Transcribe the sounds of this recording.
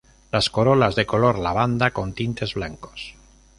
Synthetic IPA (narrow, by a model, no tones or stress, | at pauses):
lasko̞ɾolazðe̞ko̞lo̞ɾlaβ̞and̪ako̞nt̪int̪e̞zβlaŋko̞̥s